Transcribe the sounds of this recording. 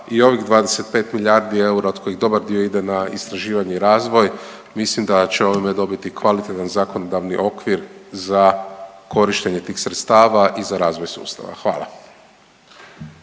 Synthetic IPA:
io̞ʋiɣd̪ʋaːd̪e̞se̞t̪̚pe̞ːt̪miʎʲaɾd̪ie̞uɾaoko̞jiɣd̪o̞baɾd̪io̞id̪e̞naist̪ɾaʒiːʋaɲeiɾaːzʋo̞j | mislimd̪at͡ɕeo̞ʋimed̪o̞bit̪ikʋalit̪et̪anzako̞nod̪aʋniʔo̞kʋiɾzakʰo̞ɾiʃt̪e̞ɲe̞t̪iːxsɾet̪st̪aːʋaʔizaɾaːzʋo̞jsṵːst̪a̰ʋa̰xʋa̰ːlˠa̰

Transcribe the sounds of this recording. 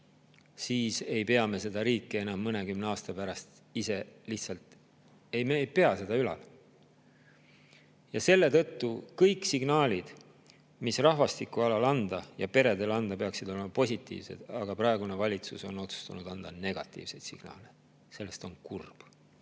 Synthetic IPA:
siːse̞jpe̞ɑme̞se̞d̪ɑɾiːkːee̞nɑmːɤne̞kymne̞ɑːst̪ɑpæɾɑst̪ | ise̞liht̪sɑlt̪ | e̞jmejpe̞ɑse̞d̪̥ɑylɑ̰l | jɑse̞lːe̞t̪ɤ̞t̪ːukɤjksiɡ̥nɑːlʲid̪̥ | misrɑɦvɑst̪ikuɑlɑlɑnd̪̥ɑjɑpe̞ɾe̞d̪e̞lɑnd̪̥ɑpe̞ɑksid̪o̞le̞mɑpo̞sʲit̪ːˑḭːvse̞̰d̪̥ɑɡ̥ɑprɑe̞ɡunevɑlʲit̪suso̞no̞t̪su̥st̪unud̪̥ɑnd̪̥ɑne̞ɡ̥ɑt̪ːˑḭːvse̞jd̪̥sḭɡ̥nɑ̰ːle | se̞lːe̞st̪o̞nkurb̥

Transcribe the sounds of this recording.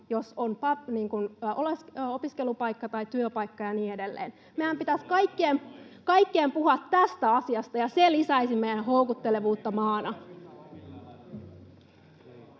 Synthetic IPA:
josonpɑniːŋkunʔoleso̞piske̞lupɑjkːɑt̪ɑjt̪yøpɑjkːɑjɑniːede̞lːḛːn | meæmpit̪æskɑikːeːmkɑikːeːmpuhɑt̪ːæst̪æɑsiɑst̪ɑjɑselisæesimːejjenɦoukut̪ːe̞leʋuːt̪ːɑmɑːnɑ

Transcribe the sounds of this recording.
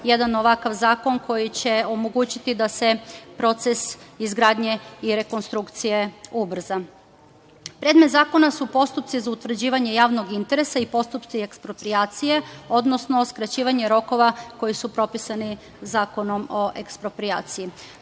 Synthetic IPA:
je̞d̪ano̞ʋakaʋzaːko̞nko̞jit͡ɕe̞omo̞ɡuːt͡ɕit̪id̪ase̞pɾo̞t̪se̞sizɡɾaːd̪ɲe̞iɾe̞ko̞nst̪ɾukt̪sije̞ubr̩za | pɾe̞d̪me̞t̪zaːko̞nasupo̞st̪up̚t̪sizaut̪ʋr̩d͡ʑiːʋaɲe̞jaːʋnoɡint̪e̞ɾe̞saipo̞st̪upt̪sie̞kspɾo̞pɾijaːt̪sije̞o̞d̪no̞sno̞skɾat͡ɕiːʋaɲe̞ɾo̞ko̞ʋako̞jisupɾo̞pisani | zaːko̞no̞mo̞ʔekspɾo̞pɾia̰ːt̪siji

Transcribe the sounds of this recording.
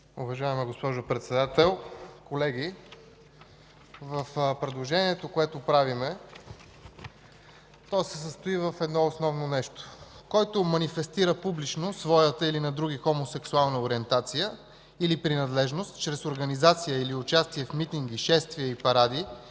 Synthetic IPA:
ʊvɐʒaɛmiɡospɔʒopɾɛt̪sɛd̪at̪ɛlˠkolɛɡi | vəfpɾɛd̪lˠoʒɛniɛt̪okoɛt̪opɾavimɛ | t̪ɔjsɛsəst̪oivəfɛd̪nɔosnɔvnonɛʃt̪o̥kɔjt̪omɐnifɛst̪iɾəpublit͡ʃnosvɔjət̪əilinɐd̪ɾuɡixomosɛksualˠnəoɾiɛnt̪at̪sijə | ilipɾinɐd̪lɛʒnost̪t͡ʃɾɛsoɾɡɐnizat̪sijəiliʊt͡ʃast̪iɛfmit̪iŋɡiʃɛst̪viəipɐɾad̪i

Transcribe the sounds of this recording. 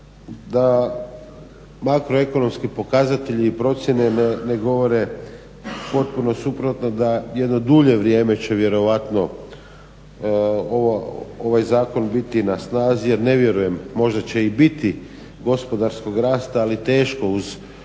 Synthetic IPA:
d̪a | makɾoe̞ko̞no̞mskipo̞kazat̪e̞ʎiːpɾo̞t̪sʲje̞ne̞neneɡo̞ʋo̞ɾe̞ | po̞t̪̚puno̞supɾo̞t̪nod̪ajed̪no̞d̪uʎe̞ʋɾjeːmet͡ɕe̞ʋje̞ɾo̞ʋat̪no̞ | oʋooʋajzaːko̞nbit̪inasnaːzije̞ɾne̞ʋje̞ɾuje̞mːo̞ʒd̪at͡ɕe̞ibit̪i | ɡo̞spo̞d̪aɾsko̞ɡɾaːst̪aːlit̪e̞ːʃko̞uz

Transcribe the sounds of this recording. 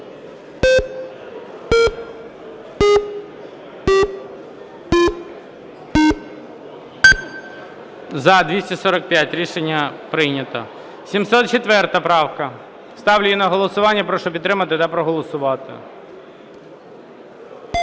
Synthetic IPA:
zɐd̪ʲʋʲisʲtʲɐsɔɾɐk̚pʲjatʲɾʲiʃenʲːɐpɾɪnʲɐt̪ɔ̰ | sʲimsɔt̪̚t͡ʃet̪ʋɛrt̪ɐpɾɑwkɐ | st̪ɑwlʲʊjinɐɦɔlˠɔsʊʋɑnʲːɐpɾɔʃɔpʲit̪t̪ːɾɪmɐt̪ɪt̪ɐpɾɔɦɔlˠɔsʊʋɑt̪ɪ̰

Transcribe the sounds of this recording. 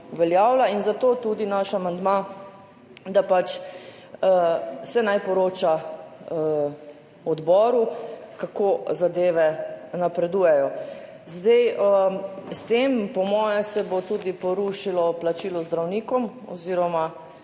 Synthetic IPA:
ʋɛljaːwlainzat̪oːt̪ud̪inaʃamand̪ma | d̪apat͡ʃ | sɛnajpɔɾoːt͡ʃa | ɔd̪bɔːɾukakoːzad̪eːʋɛnapɾɛd̪uːjɛjɔ | zd̪ɛjəst̪empɔmɔːjɛsɛbot̪uːd̪ipɔɾuʃilɔplat͡ʃiːlɔzd̪ɾawniːkɔm | ɔ̰ziːɾɔma

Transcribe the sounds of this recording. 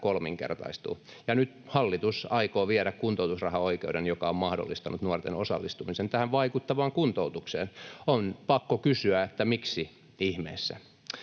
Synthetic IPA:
kolmḭŋkḛrt̪ɑ̰ist̪ṵː | jɑnyt̪hɑlːit̪usɑikoːʋiɛɾækkunt̪out̪usrɑhɑoikeudenjokɑommɑhdo̰lːist̪ɑnut̪nuort̪ḛnosɑ̰lːist̪umisent̪æhæʋʋɑikut̪ːɑʋɑːŋkunt̪out̪uksḛːnonpɑkːokysyæet̪ːæmiksi | ihmḛːsːæ̰

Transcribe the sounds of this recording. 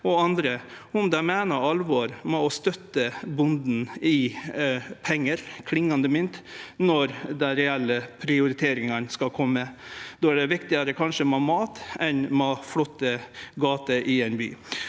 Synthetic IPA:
ɔɑnd̪ɾə | ʊmd̪ɛɪmæːnəɾɑlʋɔɾmɛɔst̪œt̪ːəbʊnd̪n̩ɪ | pʰɛŋːəɾkʰlɪŋːɑnd̪əmʏnt̪nɔɾd̪ɛɾɛɛlːəpʰɾɪʊɾɪt̪ʰeːɾɪŋɑnskɑkʰɔmːəd̪̥oːæɖɛʋɪkt̪ɪɑɾəkʰɑnʂəmɛɑmɑːt̪ɛnmɑflɔt̪ːəɡɑːt̪əʔɪɛnby̰ː

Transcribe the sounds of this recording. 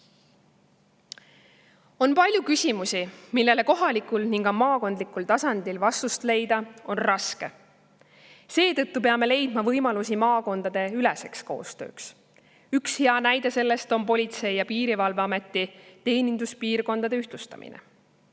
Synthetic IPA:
o̞npɑlʲjukysʲimusimilːe̞le̞ko̞ɦɑlikulniŋkɑmɑːko̞nd̪likult̪ɑsɑnd̪̥ilvɑst̪ust̪le̞jd̪̥ɑo̞nrɑske̞ | se̞ːt̪ɤ̞t̪ːupe̞ɑme̞le̞jd̪̥mɑvɤjmɑlusimɑːko̞nd̪̥ɑd̪̥e̞ylese̞ksko̞̰ːst̪ø̞̰ːks | ykshe̞ɑnæjd̪e̞se̞lːe̞st̪o̞mpo̞lʲit̪se̞jjɑpiːɾivɑlveɑme̞t̪ːˑit̪e̞ːnind̪̥uspiːrko̞nd̪ɑd̪̥e̞yht̪lust̪ɑ̰mḭnḛ

